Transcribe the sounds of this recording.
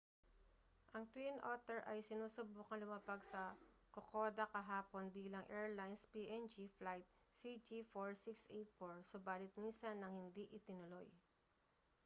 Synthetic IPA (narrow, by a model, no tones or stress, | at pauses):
ʔɐŋt̪winʔo̰t̪ɛɹʔɐjsɪnuːsʊbuːkɐŋlʊmaːpɐɡsɐ | kokoːd̪ɐkɐɦaːpo̞nbiːlɐŋʔɛɹlajnspiːʔɛnd͡ʒiflajt̪̚ | sid͡ʒifoɹsiksʔɛjt̪̚foɹsʊbaːlɪt̪̚minsɐnːɐŋhɪnd̪iʔɪt̪ɪnʊlo̞j